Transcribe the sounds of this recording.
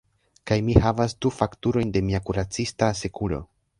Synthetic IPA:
kajmihavasdufaktuɾo̞jnde̞miakuɾat͡sistase̞kulo̞̰

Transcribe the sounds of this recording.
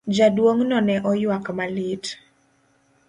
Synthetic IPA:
d͡ʒadwoŋnɔnɛʔɔjwakmalit

